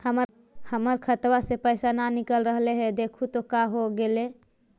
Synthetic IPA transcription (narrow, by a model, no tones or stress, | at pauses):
həmə | həməɾkʰət̪wasepəjsananikəlɾəɦleɦɛd̪ekʰut̪okaɦoɡele